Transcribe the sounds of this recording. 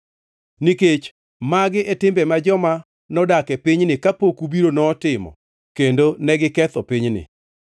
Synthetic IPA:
niket͡ʃ | maɡɪʔɛtɪmbɛmad͡ʒɔma | nɔdakɛpiɲnɪkapokubiɾonɔːtɪmɔ̰ | kendonɛɡɪkɛt̪ɔpiɲnɪ̰

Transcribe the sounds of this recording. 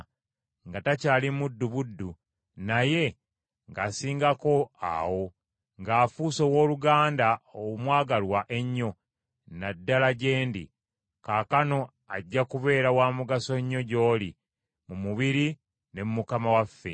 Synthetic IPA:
ŋɡatacaːlimudːuβudːu | naje̞ | ŋɡasiːŋɡako̞a̰wo̞ | ŋɡaːfuːso̞wo̞ːluɡaːndaowmwaːɡalwaʔe̞ɲːo̞ | nadːalaɟe̞ːndḭ | kaːkano̞ | aɟːakuβe̞ːɾawaːmuɡaso̞ɲːo̞ɟo̞ːli | mumuβiɾi | ne̞mumukamawafːe̞̰

